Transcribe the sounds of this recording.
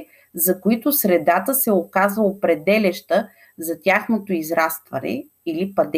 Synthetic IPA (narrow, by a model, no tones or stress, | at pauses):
zɐkoit̪ʊsɾɛd̪at̪əsɛokazvɐopɾɛd̪ɛlɛʃt̪ə | zɐt̪ʲjaxnot̪oizɾast̪vɐ̰nɛ̰ | ilipɐd̪